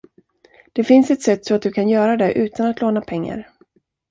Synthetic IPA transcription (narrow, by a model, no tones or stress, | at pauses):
d̪̥ɛfɪnsɛt̪sɛt̪ːsɔat̪̚d̪ɵkʰanjœːɾad̪ɛʔʉ̟ːt̪anat̪loːnapʰɛŋːa̰ɾ